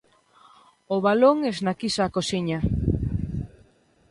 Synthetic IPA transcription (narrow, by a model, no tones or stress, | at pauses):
oβaloŋɛznakisaːkosiɲa